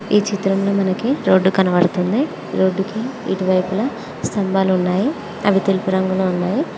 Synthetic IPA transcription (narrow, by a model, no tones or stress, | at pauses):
iːt͡ʃit̪ɾɐmlo̞ːmɐnɐkiɾoːɖːukɐnɐʋɐɽut̪und̪i | ɾo̞ːɖːukḭːʈiʋɐjpulɐ | st̪ɐmbaːlunːaːji | ɐʋit̪elipuɾɐŋɡuloːunːaːji